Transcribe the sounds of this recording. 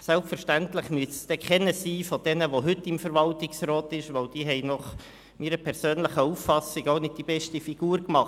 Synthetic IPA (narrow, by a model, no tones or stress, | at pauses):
sɛlpfəɾʃtæntləχmyəssd̥ɛkχɛnəsiːfɔd̥ɛnəʋoɦʏtːɪmfəɾʋɑltɪksɾɔːt̪ɪʃʋowd̥iːɦɛɪnɔχ | miːɾəpʰɛɾsøːnləχəufːɑsɪɡonɪd̚d̥ibɛʃtifiɡ̥uːɾkmɑχt